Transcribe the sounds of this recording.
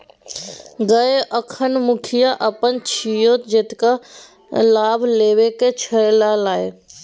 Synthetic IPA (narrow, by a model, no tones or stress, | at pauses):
ɡɐeʔɐkʰənmʊkʰijaʔɐpənt͡ɕʰijoːt̪d͡ʒeːt̪ɪka | laːbʱleːʋeket͡ɕʰɐɽlalaːe